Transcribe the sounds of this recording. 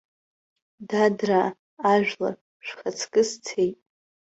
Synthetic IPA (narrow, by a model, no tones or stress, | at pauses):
dadraː | ʒᶣla̰ | ʃᶣʷχat͡sʰkʼɨst͡sʰejtʼ